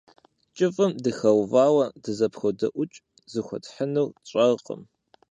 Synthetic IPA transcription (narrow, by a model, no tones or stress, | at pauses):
t͡ʃʼɪfʼɨmdɨxɐwvaːwɐdɨzɐpxodɐʔʷʊt͡ʃʼ | zɨxʷɔ̰tħənɨwt͡ɕʼɐʁqə̰m